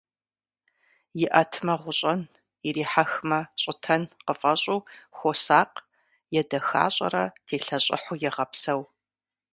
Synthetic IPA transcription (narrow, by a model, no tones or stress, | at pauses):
jɪʔɐtʰmɐʁʷʊɕʼɐn | iɾiːħaxmɐɕʼɪtʰɐnqəfʼɐɕʼuːxʷosaːq | jɛdɐxa̰ːɕʼɐ̰ɾɐtʰeːɬɐɕʼɪ̰ħʊjɛʁɐpsɐw